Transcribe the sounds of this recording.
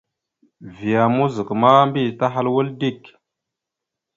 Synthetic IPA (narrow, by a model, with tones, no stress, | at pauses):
vi˨ja˨mu˦zi˨kma˦mbi˦˨ta˦ɦa˦lwu˦ldi˦˨k